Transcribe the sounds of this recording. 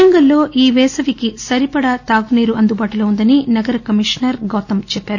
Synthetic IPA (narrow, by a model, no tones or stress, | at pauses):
ɐŋɡɐlːo̞ːʔiːʋɛːsɐʋikisɐɾipɐɽɐt̪aːɡuneːɾuɐnd̪ubaːʈuloːund̪ɐninɐɡɐɾɐkɐmiʂnɐɾɡɐːt̪ɐmt͡ʃɛpːaːɾu